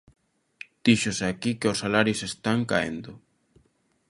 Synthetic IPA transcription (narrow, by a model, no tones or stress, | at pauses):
d̪̥iʃosakikeosːalaɾjosest̪aŋka̰ḛnd̪ʊ